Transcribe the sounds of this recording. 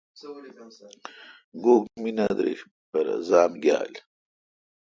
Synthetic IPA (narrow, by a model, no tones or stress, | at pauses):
ɡoːɡminɐd̪ɾḛɕ | bɐɾɐ̰zaːmɡʲja̰ːl